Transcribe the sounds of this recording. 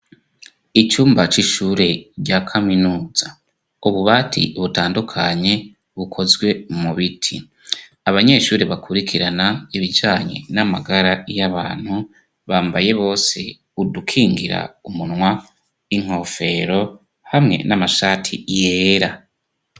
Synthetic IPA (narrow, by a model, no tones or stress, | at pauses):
it͡ʃuːmbat͡ʃiʃuɾe̞ɟakʰaminuːza | uβuβaːtʰḭβutaːndukʰaɲe̞ | βukʰo̞zɡwe̞muβitʰi | aβaɲe̞ːʃuːɾeβakʰuɾikʰiɾanaiβid͡ʒaːɲe̞̰namaɡaɾajaβaːn̥hu | βaːmbaje̞βo̞ːse̞ | udukʰiːŋɡḭɾa̰umunwa | iŋ̥ho̞fe̞ɾo̞ | hamŋe̞̰namaʃaːtʰḭjeːɾa